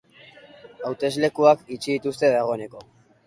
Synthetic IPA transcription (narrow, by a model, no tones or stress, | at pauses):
awt̪e̞zle̞kuakit͡ʃiðit̪ust̪e̞ðaɣ̞o̞ene̞ko̞